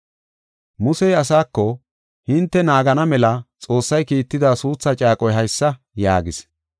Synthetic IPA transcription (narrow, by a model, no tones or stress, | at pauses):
mʊsɛjɐsaːkːɔ | hɪnt̪ːɛnaːɡɐnɐmɛlɐt͡sʼo̞ːsːɐjkiːt̪ːɪd̪aːsuːt͡sːat͡ʃʼaːkʼɔjɦɐjsːɐ | ja̰ːɡɪs